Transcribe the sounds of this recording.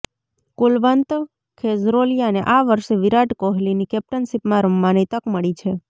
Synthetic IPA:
kulʋənt̪ə | kʰezɾolijaneʔaʋəɾʃeʋiɾaʈkoɦlinikɛp̚ʈənʃipmãɾəmːanit̪əkməɭit͡ʃʰe

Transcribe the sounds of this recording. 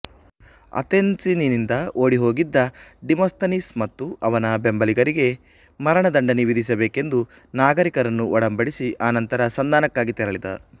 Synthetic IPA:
ɐ̰t̪ensininind̪ɐoːɽiɦo̞ːɡid̪ːɐɖimoːst̪ɐnismɐt̪ːuʔɐʋɐnɐbembɐliɡɐɾiɡe̞ | mɐɾɐɳɐd̪ɐɳɖɐniʋid̪ʱis̬ɐbeːke̞nd̪u | naːɡɐɾikɐɾɐnːuʔɔɽɐmbɐɽisiʔaːnɐnt̪ɐɾɐsɐnd̪aːnɐkːaːɡit̪ɛɾɐɭid̪ɐ̰

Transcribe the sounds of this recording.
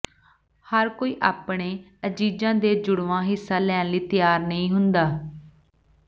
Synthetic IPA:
həɾkoːiːʔaːpɳeː | əd͡ʒiːd͡ʒãːd̪eːd͡ʒʊɽʋãːɦɪsːaːlɛːnliːt̪ɪjaːɾnəĩːɦʊnd̪aː

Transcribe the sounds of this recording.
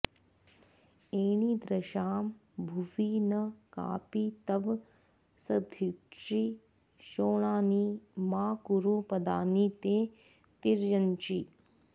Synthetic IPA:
eːɽ̃iːd̪ɾɐʃaːmbʱuʋiːnɐka̰ːpit̪ɐb | sɐd̪ʱit͡ʃi | ʃoːɳ̃aːnimaːkuɾupɐd̪a̰ːniːt̪eː | t̪iɾjɐnt͡ʃi

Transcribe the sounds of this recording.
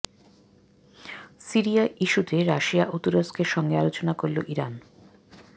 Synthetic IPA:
siɾiaʔiʃut̪eɾaʃiaʔut̪uɾoskeɾʃɔŋɡealot͡ɕonakoɾloʔiɾan

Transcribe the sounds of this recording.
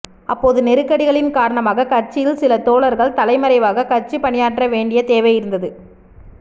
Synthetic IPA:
ʔɐpːoːðɯnɛɾɯkːɐɽɪɣɐɭɪnkaːɾɐɳɐmaːɣɐkɐrt͡ʃɪjɪlsɪlɐt̪oːɭɐɾɣɐɭt̪ɐlɐɪmɐɾɐɪʋaːɣɐkɐrt͡ʃipɐɳɪjaːʈrɐʋeːɳɖɪjɐt̪eːʋɐjɪɾɯnd̪ɐðɯ

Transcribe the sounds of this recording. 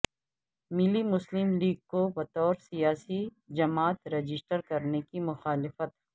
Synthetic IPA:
mɪlimʊslɪmliːɡ̚kobɐt̪ɔːɾsijaːsi | d͡ʒɐmaːt̪ɾɐd͡ʒɪsʈəɾkɐɾnekimʊxaːlɪfət̪

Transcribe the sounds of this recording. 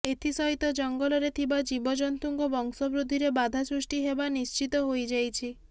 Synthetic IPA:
et̪ʰisɔɦit̪ɔd͡ʒɔŋɡɔlɔɾet̪ʰibad͡ʒibɔd͡ʒɔnt̪uŋkɔbɔŋsɔbɾud̪ʱːiɾebad̪ʱasɾusʈiɦebanist͡ʃit̪ɔɦojd͡ʒajt͡ʃʰi

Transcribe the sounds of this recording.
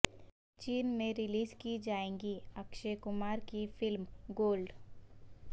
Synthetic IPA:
t͡ʃiːnmẽɾɪliːzkid͡ʒaːẽːŋɡiɐkʃekʊmaːɾkifɪlmɡoːlɖ

